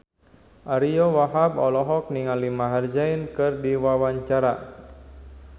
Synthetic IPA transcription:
ʔaɾijɔwaɦabɔlɔɦɔk̚niŋalimaɦard͡ʒainkɨrdiwawaɲt͡ʃaɾa

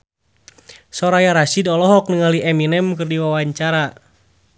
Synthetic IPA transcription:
sɔɾajaɾasidɔlɔɦɔk̚nəŋaliʔɛminɛmkɨrdiwawaɲt͡ʃaɾa

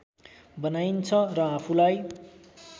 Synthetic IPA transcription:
bʌnajnt͡sʰʌrʌapʰulaj

